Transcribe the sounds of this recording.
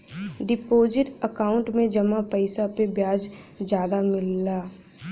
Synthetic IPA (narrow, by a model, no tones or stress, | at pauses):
ɖɪpoːzɪʈəkaːʊ̃ɳʈmẽd͡ʒɐmapəɪsapebjaːd͡ʒ | d͡ʒjaːd̪amɪlːaː